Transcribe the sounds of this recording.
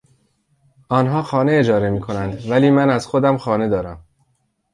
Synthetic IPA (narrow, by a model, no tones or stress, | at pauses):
ɒːnɦɒːxɒːne̞ed͡ʒɒːɾe̞miːkʰo̞nænd̪væliːmænæzxod̪æmxɒːne̞d̪ɒːɾæm